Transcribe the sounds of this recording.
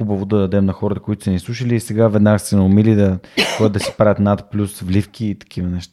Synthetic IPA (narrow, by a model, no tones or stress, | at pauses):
ubɐvod̪ɐd̪ɐd̪ɛmnɐxɔɾət̪ə̥koʊit̪ʊsɛnislˠuʃəliːsɛɡavɛd̪naɡəsɛnɛʊmilid̪ɐkd̪ːɐsi̥pɾavʲət̪nat̪plʲusvlʲifkʰiːt̪ɐ̥kivənɛʃt̪a